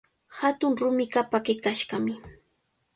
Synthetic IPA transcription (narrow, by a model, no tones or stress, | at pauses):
hat̪ʊŋɾʊmɪkapakɪkaʃɢɑmɪ